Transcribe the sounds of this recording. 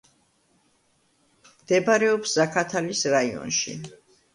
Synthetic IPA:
md̪̥ɛbaɾɛɔpszakʰat̪ʰalisɾaiɔ̰nʃḭ

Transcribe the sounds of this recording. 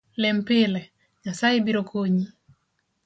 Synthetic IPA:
lɛmpɪlɛ | ɲasajebiɾokʰoɲi

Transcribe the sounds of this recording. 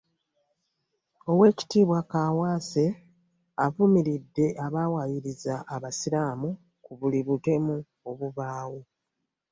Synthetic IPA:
o̞we̞ːci̥tiːβwakaːwaːse̞ | avumiɾidːe̞ʔaβawajiɾizaʔːβasiɾaːmu | kuβuliβute̞mu | oβuβaːwu

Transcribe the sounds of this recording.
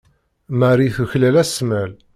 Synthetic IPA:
maɾiθuçlælæsmæl

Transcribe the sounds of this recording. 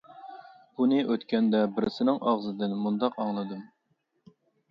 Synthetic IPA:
b̥unɨʔøt̪kʲɛnd̪ɛbɪɾɪsɪnɪŋɑʁzɨd̪ɪnmund̪ɑqɑŋlˠɨd̪um

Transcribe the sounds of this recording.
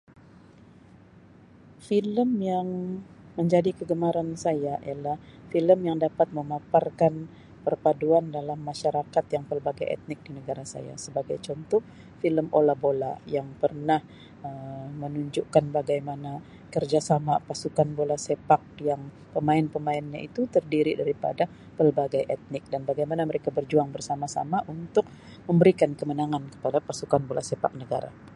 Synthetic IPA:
filəmjaŋ | məɲd͡ʒadikəɡəmaɾansajaʔḭjalahfiləmjaŋdapat̪̚məmaparkan | pərpaduandalamːaʃaɾakat̪jaŋpərbaɡajɛ̰t̪̚nɪk̚dinəɡaɾasa̰ja̰səbaɡajt͡ʃɔnt̪ɔ | filəmolabola̰jaŋpərnah | əmənuɲd͡ʒukanbaɡajmana | kərd͡ʒasamapasukanbolasepak̚jaŋ | pəmaɪnpəmaɪnɲa̰ʔit̪ut̪ərdiɾidaɾipa̰da | pəlbaɡajʔɛt̪̚nɪk̚danbaɡajmanaməɾekabərd͡ʒuaŋbərsamasa̰maʔunt̪ʊk̚ | məmbəɾikankəmənaŋankə̥padapasukanbolasepa̰k̚nəɡa̰ɾa̰

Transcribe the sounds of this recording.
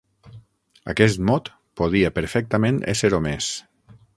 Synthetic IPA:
a̰kɛs̬t̪mɔt̪ | poð̞iapəɾfɛk̚t̪əmẽnḛseɾomes

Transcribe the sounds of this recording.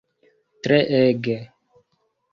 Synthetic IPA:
t̪ɾɛʔɛɡɛ

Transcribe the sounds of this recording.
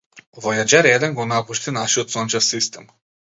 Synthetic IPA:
vɔjad͡ʒaɾɛd̪ɛnɡɔnapuʃt̪inaʃiot̪sɔnʲt͡ʃafsist̪ɛm

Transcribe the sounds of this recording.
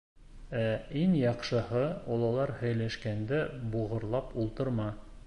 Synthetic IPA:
æiŋjɑqʃɤ̆hɤɒlˠɑlˠɑɾhɵ̆jlæʃkænd̪ɘbuʁɤ̆ɾlˠɑpulˠt̪ɤɾmɑ

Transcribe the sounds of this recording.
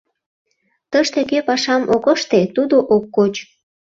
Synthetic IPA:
t̪əʃt̪ekepɑʃɑmʔokəʃt̪et̪ud̪oʔokːot͡ɕ

